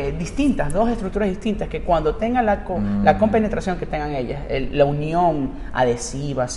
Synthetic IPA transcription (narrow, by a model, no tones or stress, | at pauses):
d̪ist̪int̪asðo̞sest̪ɾuk̚t̪uɾazðiht̪int̪aske̞kwand̪o̞t̪e̞ŋɡalakolako̞mpe̞ne̞t̪ɾasjo̞ŋke̞t̪e̞ŋɡaŋe̞ʎa̰selaunjo̞ŋ | a̰ðe̞siβa